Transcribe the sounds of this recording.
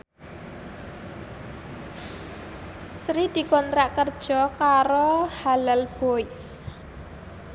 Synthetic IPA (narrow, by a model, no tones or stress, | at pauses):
sɾid̪̥i̤kɔnt̪ɾaʔkərd̥ʒ̥ɔ̤kaɾohalalb̥ois